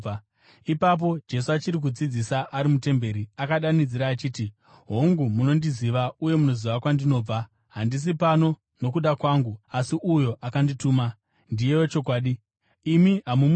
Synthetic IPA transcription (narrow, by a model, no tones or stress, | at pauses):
ipap̬o̞d͡ʒe̞s̬uat͡ʃiɾik̬ud͡zid͡zisaʔaɾimute̞mbe̞ɾiakaɗanid͡ziɾaːt͡ʃiːti | ɦoŋɡumuno̞ndiziʋauje̞muno̞ziʋakwandino̞ːb͡va | ɦandis̬ipano̞ | no̞kuɗakwaŋɡuasiʔujo̞ʔakandituːma | ndije̞wo̞t͡ʃo̞kwaːɗiː | miɦamum